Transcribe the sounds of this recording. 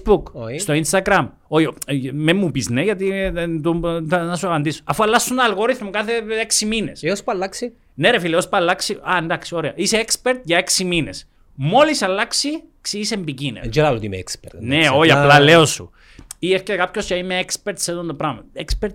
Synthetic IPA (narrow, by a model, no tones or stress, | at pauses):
bukst̪o̞inst̪ɐɡɾɐm | ojomemːupizneʝɐt̪iet̪oɐnɐsuɐpɐnd̪iso̥ɐfuɐlːɐsːunnɐːlɣo̞ɾiθmukɐθe̞eksimine̞seospɐlːɐksi | neɾefileospɐlːɐksiɐend̪ɐksio̞ɾeɐiseekspe̞ɾt̪ʝɐeksimine̞̰s | mo̞lisɐlːɐksi | ksiisembicinḛd͡ʒeɾɐlot̪iimḛḛkspeɾt̪neojiɐlɐle̞osṵ | ieɾceekɐpçoscɐimeekspe̞ɾt̪seðond̪opɾɐmɐekspeɾt̪